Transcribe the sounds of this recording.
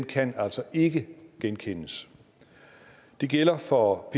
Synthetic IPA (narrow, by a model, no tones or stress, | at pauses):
nkʰænæl̰sɒ̽ʔe̝ɡ̥əɡ̥enkʰenəs | d̥e̝ɡ̥el̰ɐfɒ̽pʰ